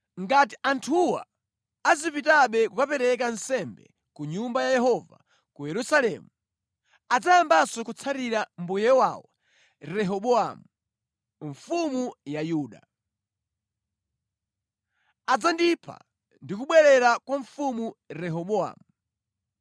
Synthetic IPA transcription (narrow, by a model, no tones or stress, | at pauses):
ŋɡatiantʰuwa̰ː | zipitaɓɛkukapɛɾɛk̬ansɛmbɛ̰ | kuɲumbajajɛɦɔva̰ | kujɛɾusalɛmu | ad͡zajambasɔkut͡sʰaɾiɾambujɛwa̰wɔ | ɾɛɦɔɓɔamu | ɱfumujajuːɗa̰ | ad͡zandipʰa̰ | ndikuɓwɛɾɛɾakwaɱfumuɾɛɦɔɓɔa̰mu